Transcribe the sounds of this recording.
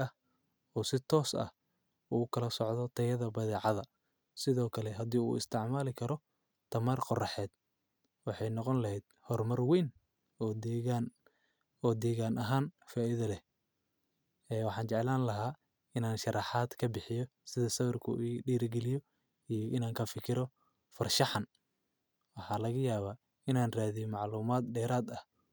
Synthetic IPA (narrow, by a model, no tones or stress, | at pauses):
ɐh | ɔːsɪt̪ʰɔːsɐ̰h | uːkʰɐlɐsɔʕðɔt̪ʰɐjɐðɐbɐðɛːʕɑðɐ | sɪðɔːkʰɐlɛɦɐd̪iːṵːɪ̰st̪ʰɪʕmaːlɪkʰɐɾɔ | t̪ʰɐmarqɔrɑħɛːd̪̚ | wɑħɑjnɔqɔnlɐɦɛjd̪̥hɔrmɐrwiːn | ɔːd̪ɛɣan | ɔːd̪ɛːɣaːnʔɐɦaːnfaːʔiðɐlɛ | ɛːwɑħɑːnt͡ʃɛʕɛlaːnlɐɦaː | ɪnaːnʃɐrɑħaːd̪kʰɐbɪħɪjɔsɪðɐsɐβɐrkʰʊ̰ʔɖiːɾɡɛlɪjɔ | ijɔʔɪnaːŋkʰɐfɪkʰɪɾɔ | fɐrʃɑħɑn | wɑħɑːlɐɣɐjaːβaː | ɪnaːnraːðijmɑʕluːmaːd̪ɖɛːɾaːd̪ɐh